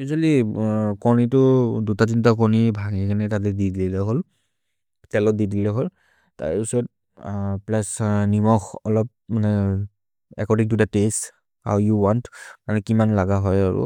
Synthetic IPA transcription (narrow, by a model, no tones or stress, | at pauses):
uzalikɔɹnitʊdutazintakɔɹnibʱaɡekʰanɛtat̬ɛdidiilɛɦol | tɛlɔt̚didilɛɦol | ta̰ɹpisɔɔt̚ | plasnimɔxɔlɔp̚manɛ | ɛkɔdiŋtudates | ha̰wjuwantmanɛkimanlaɡaɦɔjaɹṵ